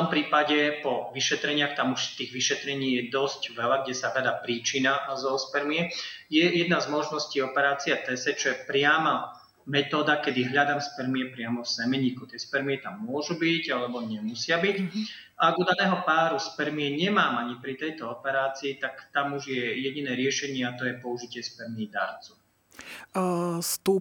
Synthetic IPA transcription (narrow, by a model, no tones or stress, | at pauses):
ft̪ɔmpɾiːpaɟɛpɔʋiʃɛt̪ɾɛɲɪaxt̪amuʃft̪iːɣʋiʃɛt̪ɾɛɲiːjɛd̪ɔscʋɛlaɡɟɛsaɦʎad̪aːpɾiːt͡ʃinazɔspɛɾmiɛjɛjɛd̪nazmɔʒnɔsciːɔpɛɾaːt͡siat̪ɛsɛt͡ʃɔjɛpɾɪama | mɛt̪ɔːd̪akɛd̪iɦʎad̪amspɛɾmiɛpɾɪamɔfsɛmɛɲiːkut̪ɪɛspɛɾmiɛt̪amːʊɔʒubiɟalɛbɔɲɛmusɪabic | aaɡud̪anɛːɦɔpaːɾuspɛɾmiɛɲɛmaːmaɲipɾit̪ɛjt̪ɔɔpɛɾaːt͡siːt̪akt̪amuʒjɛjɛɟinɛːɾɪɛʃɛɲɪɛat̪ɔjɛpɔuʒicɪɛspɛɾmiːd̪a̰ɾt͡su | st̪uː